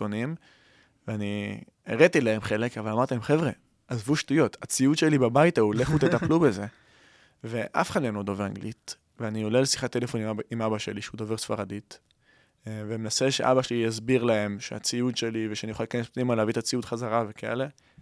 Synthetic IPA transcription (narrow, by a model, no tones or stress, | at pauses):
onim | veani | eʁet̪ileemχe̞le̞kavalamaʁt̪ilemχevʁe | azvuʃtujo̞t̪at͡siutʃelibabajt̪auleχut̪etaplubeze̞ | veʔa̰fe̥χad̪ljnod̪oveʁaŋɡlit̪ | veaniolelsi̥χat̪ːelefo̞nimimabaʃe̞liʃeud̪oveʁsfaʁadit̪ | vemenaseʃeʔabaʃelijazbiʁlae̞mʃea̰t͡siut̪ʃe̞liveʃeanijuχalekanespnimaleavit̪at͡siut̪χazaʁave̞kaḛle̞